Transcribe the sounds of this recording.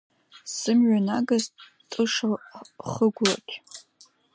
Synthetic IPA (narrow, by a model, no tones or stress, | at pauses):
sɨmɥanaɡaz | tʼɨʂaχəɡʷra̰kʲʰʼ